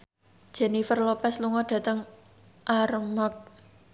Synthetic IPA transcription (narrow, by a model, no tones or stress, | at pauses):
d̥ʒ̥ɛ̤nifərlopɛsluŋɔɖ̥ä̤t̪əŋ | ʔarmak̚